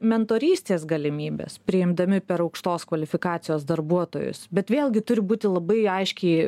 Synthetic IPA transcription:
mʲɛnt̪oːɾʲiːsʲt̪ʲeːsɡɐlʲɪmʲiːbʲḛːspʲɾʲɪɪmd̪ɐmʲɪpʲɛɾɐʊkʃt̪oːskʋɐlʲɪfʲɪkɑːt̪sʲɪjoːsd̪ɐɾbuɔt̪o̰ːjʊ̰sbʲɛt̪ʋʲeːlˠɡʲɪt̪ʊɾʲɪbuːt̪ʲɪlˠɐbɐɪɐɪʃʲkʲɛɪ

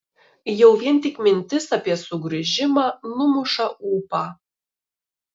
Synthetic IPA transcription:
jɛʊʋʲiɛnˑt̪ʲɪkmʲɪnʲt̪ʲɪsɐpʲiɛsʊɡɾɐʒʲɪmɑːnʊmʊʃɑʔuːpɑː

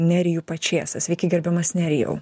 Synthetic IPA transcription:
nʲæɾʲɪjuːpɐt͡ʃʲeɛsɐsʲʋʲɛɪkʲɪɡʲɛɾʲbʲɛmɐsnʲæɾʲɪjɛ̰ʊ

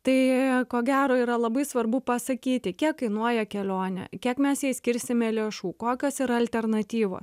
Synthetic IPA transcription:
t̪ɐɪkoːɡʲæːɾoːiːɾɐlˠɐbɐɪsʋɐrbʊpɐsɐkʲiːt̪ʲɪkʲiɛkɐɪnuɔjɛkʲɛlʲoːnʲɛ̰kʲiɛkmʲɛsjɛɪsʲkʲɪɾʲsʲɪmʲɛlʲeːʃuːkoːkʲoːsiɾɐɐlʲt̪ʲɛrnɐt̪ʲiːʋo̰ːs

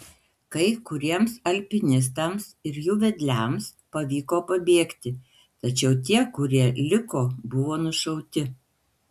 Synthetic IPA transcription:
kɐɪkʊɾʲiɛmsɐlʲpʲɪnʲɪs̬t̪ɐmsɪɾjuːʋʲɛd̪ʲlʲæms | pɐʋʲiːkoːpɐbʲeɛkt̪ʲɪ | t̪ɐt͡ʃʲɛʊt̪ʲiɛkʊɾʲiɛlʲɪkoːbʊʋoːnʊʃɐʊt̪ʲɪ

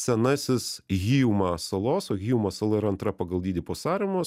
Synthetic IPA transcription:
sʲɛnɑsʲɪsɣʲiːʊmɑsɐlˠoːsoːɣʲiːʊmɐsɐlˠɐɪɾɐnt̪ɾɐpɐɡɐlˠd̪ʲiːd̪ʲɪpoːsɑːɾʲɪmoːs

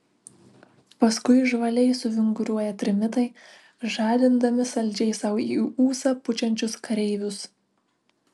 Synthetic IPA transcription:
pɐskʊɪʒʋɐlʲɛɪsʊʋʲɪŋɡʊɾʲuɔjɛt̪ʲɾʲɪmʲɪt̪ɐɪ | ʒɑːlʲɪnd̪ɐmʲɪsɐlʲd͡ʒʲɛɪsɐʊiuːsɑpʊt͡ʃʲɛnʲt͡ʃʲʊskɐɾʲɛɪʋʲʊs

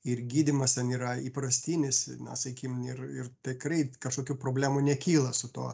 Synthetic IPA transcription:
ɪrɡʲiːd̪ʲɪmɐst̪ʲɛniːɾɐiːpɾɐsʲt̪ʲiːnʲɪsnɐ̰sɐkʲkʲimɪrɪrt̪ʲɪkrɐɪkɐʃkoːkʲuːpɾoːbʲlʲæːmʊnʲɛkʲiːlˠɐsʊt̪oː

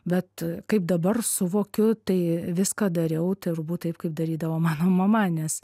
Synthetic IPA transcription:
bʲɛt̪kɐɪp̚d̪ɐbɐrsʊʋoːkʲʊt̪ɐɪʋʲɪskɑd̪ɐɾʲɛʊt̪ɐɪɾbuːt̪t̪ɐɪp̚kɐɪp̚d̪ɐɾʲiːd̪ɐʋoːmɑːnoːmɐmɐnʲɛs

